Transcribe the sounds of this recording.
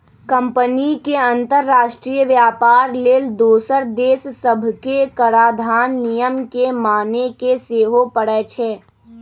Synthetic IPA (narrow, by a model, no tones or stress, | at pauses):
kə̃mpənikeɐ̃nt̪əɾːaːʃʈɾiːjəʋjaːpaːɾleːld̪oːsəɾd̪eːssəbʱkekəɾaːd̪ʱaːnːijəmkemaːnekeseːɦopəɽɛt͡ʃʰeː